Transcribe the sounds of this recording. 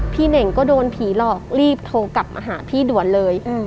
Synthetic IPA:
pʰiː˥˩ne˨˩ŋkɔː˥˩doː˧npʰiː˩˦lɔː˨˩k̚ɾiː˥˩p̚t̪ʰoː˧ka˨˩p̚mʔa̰ː˧ɦaː˩˦pʰiː˥˩du˨˩˦ənlɤː˧j

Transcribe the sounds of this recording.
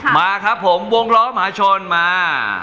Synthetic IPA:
maː˧kʰaː˦˥pʰːo˩˦mwo˧ŋlɔː˦˥m˧ɦaː˩˦t͡ɕʰo˧nmaː˧

